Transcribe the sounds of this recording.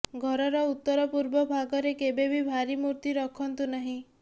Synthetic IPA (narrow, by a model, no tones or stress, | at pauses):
ɡʱɔɾɔɾɔut̪ːɔɾɔpuɾbɔbʱaɡɔɾekebebʱibʱaɾimuɾt̪iɾɔkʰɔnt̪unaɦĩ